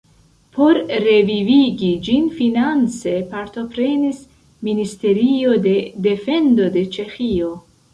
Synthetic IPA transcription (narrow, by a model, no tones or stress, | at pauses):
pʰo̞ɾɾe̞viviɡid͡ʒinfinant͡se̞paɾt̪o̞pɾe̞nis | minist̪e̞ɾio̞de̞de̞fe̞ndo̞de̞t͡ʃe̞xio